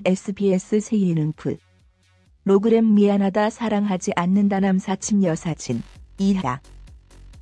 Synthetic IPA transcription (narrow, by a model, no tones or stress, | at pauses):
e̞s͈ʰɯbies͈ɯsʰeɡiinɯŋpʰɯ | ɾoɡɯɾemːianadasʰaɾaŋɦad͡ʑiʔanːɯndanansʰat͡ɕʰimjʌsʰat͡ɕʰiniada̰